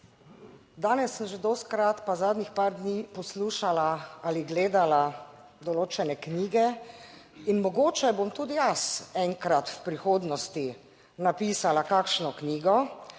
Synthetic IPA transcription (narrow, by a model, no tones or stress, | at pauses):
d̪aːnɛsːəmʒed̪ɔst̪kɾat̪pazaːd̪nixpaːɾd̪niːpɔsluːʃalaaliɡleːd̪ala | d̪ɔloːt͡ʃɛnɛkniːɡɛ | inmɔɡoːt͡ʃɛbomt̪uːd̪ijasɛŋkɾat̪wpɾixoːd̪nɔst̪i | napiːsalakakʃnɔkniːɡɔ